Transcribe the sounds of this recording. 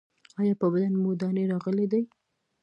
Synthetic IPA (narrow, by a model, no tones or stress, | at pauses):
ɑjɑpəbad̪anmod̪ɑneɾɑɣəled̪aj